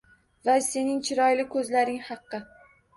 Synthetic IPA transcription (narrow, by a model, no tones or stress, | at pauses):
vase̞nɪŋt͡ʃʰɪɾɒjlɪkʰɵzlaɾɪŋhɑqːɨ